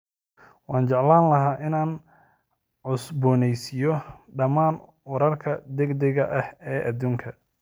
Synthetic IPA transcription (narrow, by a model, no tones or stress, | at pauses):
wɑːnt͡ʃɑʕlaːnlɐɦaːʔɪnaːn | ʕʊsbɔːnɛjsɪjɔɖɐmaːn | wɐɾɐrkʰɐd̪ɛɡd̪ɛɣɐʔɐhɛːʔɐd̪uːŋkʰɐ